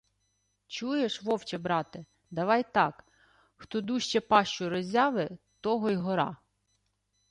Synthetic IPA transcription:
t͡ʃujeʃʋɔwt͡ʃɛbɾɑt̪ɪ | d̪ɐʋɑjt̪ɑk | xt̪ɔd̪uʃt͡ʃɛpɑʃt͡ʃʊɾɔzʲɑʋɪt̪ɔɦɔjɦɔɾɑ̰

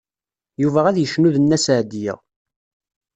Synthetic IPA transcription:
juvæʁæðjəʃnuðənːæsʕd̪ijə̰ʁ

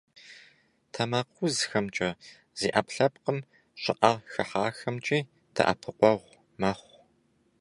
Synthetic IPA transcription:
tʰɐmaːqʷʊzxɐmt͡ʃʼɐ | z̥iːʔɐpɬɐpqəm | ɕʼɪʔɐrxɐħaːxɐmt͡ʃʼiː | tʰɐ̰ʔɐ̰pʰɨqʷɔʁʷ | mɐχʷ

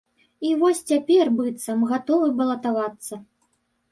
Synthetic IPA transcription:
ivɔsʲt͡sʲapʲɛrbɨt̪sɐmɣat̪ɔvɨbɐlˠɐt̪avat̪sːɐ

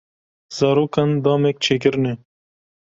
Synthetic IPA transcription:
z̥aːɾoːkɐnd̪ɑːmeːk̚t͡ʃʰekɪɾne

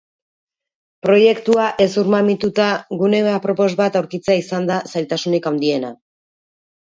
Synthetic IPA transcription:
pɾo̞je̞kt̪uaʔe̞suɾmamit̪ut̪aɣune̞βapɾo̞po̞zβat̪awɾkit͡seaisand̪asajlt̪asunikawnd̪ie̞na

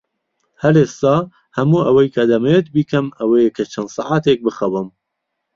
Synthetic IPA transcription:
hɐɾeːst̪ɑː | hɐmuʔɐwɐjkʰɐd̪ɐmɛjet̪̚biːkʰɐmɐwejekʰɐt͡ʃʰɐnd̪sɑ̰ːʕaːt̪ek̚bɨxɐwɨm

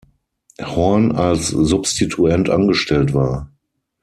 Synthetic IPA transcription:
hɔɐnalszʊpstitʰuɛntʔanɡəʃtɛltv̥aːɐ

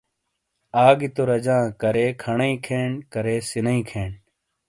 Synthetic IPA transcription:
aːɡit̪oɾɐd͡ʑãːkɐɾeːkʰɐɳɐĩkʰeːɳkɐɾeːsinɐĩkʰeːɳ

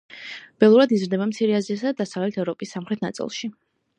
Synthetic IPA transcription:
b̥ɛlˠuɾad̪izɾd̪ɛbamt̪sʰiɾɛaziasad̪ad̪asavlɛt̪ʰɛvɾɔpʼisːamχɾɛt̪ʰna̰t̪sʼḭlˠʃi

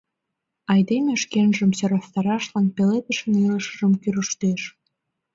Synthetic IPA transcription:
ɑjd̪emeʃkenʒə̆msøɾɑst̪ɑɾɑʃlɑnpelet̪ə̆ʃə̆niləʃə̥̆ʒə̆mkyɾuʃt̪eʃ

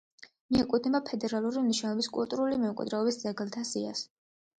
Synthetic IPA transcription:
miɛkʼud̪ʰnɛbapʰɛd̪ɛɾalˠuɾimniʃnɛɔbiskʼṵlˠt̪ʼuɾulimɛkʼwɛ̰d̪ɾɛɔbisd̪zɛɡlˠt̪ʰasia̰s

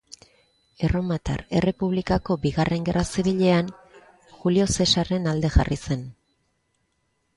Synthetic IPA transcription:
e̞ro̞mat̪a̰ɾe̞re̞puβ̞likako̞biɣare̞ŋɡe̞rasiβiʎe̞an | xulio̞se̞sare̞nald̪e̞xa̰rise̞n

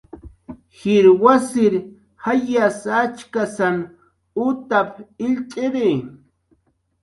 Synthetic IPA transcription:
xɪɾwasɪɾ | hajasat͡ʃkasan | ʊt̪apʰɪʎt͡ʃʼɪɾe

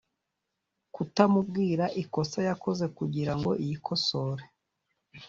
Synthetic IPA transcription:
kutamub̚ɡiːɾaʔiko̞sajako̞ze̞kuɟiɾaŋɡo̞ʔijikʰo̞so̞ːɾe

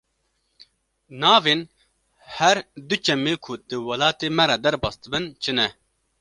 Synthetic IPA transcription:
nɑːveːn | hɛɾd̪ʊt͡ʃɛmːeːkʰʊd̪̥ɨwɐlɑːt̪eːmɛɾɑd̪ɛɾbɑːst̪ɨbɨnt͡ʃʰɨnɛ

